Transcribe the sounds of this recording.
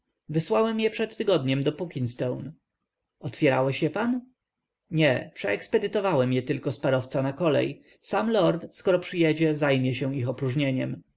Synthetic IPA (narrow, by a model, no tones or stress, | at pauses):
vɘswawɛmjɛpʂɛt̪ːɘɡɔd̪ɲɛmd̪ɔpukʲinst̪ɔwn | ɔt̪fʲjɛɾa̰wɛɕjɛpan | ɲɛpʂɛɛkspɛd̪ɘt̪ɔvawɛmjɛt̪ɘlkɔspaɾɔft̪sanakɔlɛ̰j | samlɔɾt̪skɔɾɔpʂɘjɛd͡ʑɛzajmʲjɛɕɛwixɔpɾuʐɲeɲɛm